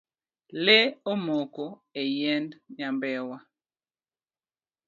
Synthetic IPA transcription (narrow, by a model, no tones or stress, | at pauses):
leomokoejɛndɲambɛwa